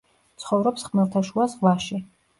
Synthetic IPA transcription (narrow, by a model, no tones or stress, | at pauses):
t̪sʰχɔvɾɔpsχmɛlt̪ʰaʃuasvlaʃi